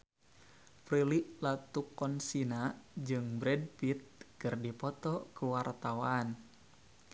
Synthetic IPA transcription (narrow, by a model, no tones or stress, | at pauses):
pɾiliʔlat̪ukːɔnsinad͡ʒɨŋbɾɛd̚pit̪̚kɨrdipɔt̪ɔkuwart̪awan